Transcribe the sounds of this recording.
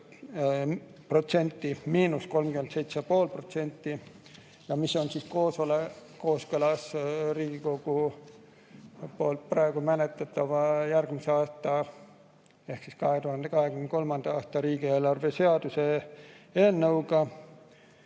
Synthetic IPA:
pro̞t̪se̞nʲt̪ːimiːnusko̞lmɡyent̪sejt̪sepo̞ːlpro̞t̪se̞nʲt̪ˑːi | jɑmisːo̞nsisko̞ːsoleko̞ːskølɑsriːɡ̥iko̞ɡ̥u | poːlt̪̚prɑeɡ̥umænet̪ːˑɑt̪ːˑɑvɑjærɡ̥mise̞ɑːst̪ɑ | e̞hksiskɑɦe̞t̪uɦɑnd̪̥e̞kɑɦe̞kymneko̞lmɑnd̪̥ɑɑːst̪ɑɾiːɡ̥ie̞ːlɑrve̞se̞ɑd̪̥use̞eːlnɤwɡ̥ɑ

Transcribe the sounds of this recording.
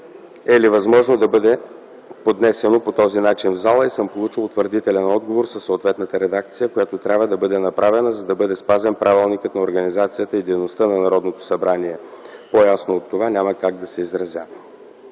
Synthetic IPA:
ɛlivɐzmɔʒnod̪ɐbɤd̪ɛ | pod̪nɛsɛnopot̪ɔzinat͡ʃinvzalˠəisɤmpolˠut͡ʃilˠot̪vəɾd̪it̪ɛlʲɛnɔd̪̚ɡovoɾsəsːot̪vɛt̪nət̪əɾɛd̪ak̚t̪sijəkojat̪ot̪ɾʲavvəd̪ɐbɤd̪ɛnɐpɾavɛnəzɐd̪ɐbɤd̪ɛspazɛnpɾʔavilˠnikət̪nɐoɾɡɐnizat̪sijət̪əid̪ɛjnost̪ənɐnɐɾɔd̪not̪o̥sɐbɾaniɛ | pojasnoːt̪ːovanʲaməkaɡ̚d̪ɐsɛizɾɐzʲja

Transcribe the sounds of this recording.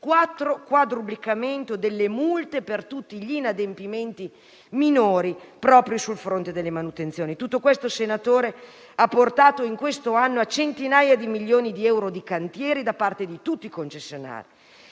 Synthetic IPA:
kwat̪ːɾokwaːd̪ɾublikament̪od̪elːemult̪epert̪ut̪ːiʎinad̪empiment̪i | minoːɾipɾɔːpɾjosulfɾont̪ed̪elːemanut̪ent̪sjoːnit̪ut̪ːokwest̪osenat̪oːɾe | apːort̪aːt̪oiŋkwest̪oanːoat͡ʃent̪inaːjad̪imiljoːnid̪iɛwɾod̪ikant̪jɛːɾid̪apːart̪ed̪it̪ut̪ːikont͡ʃesːjona̰ːɾi

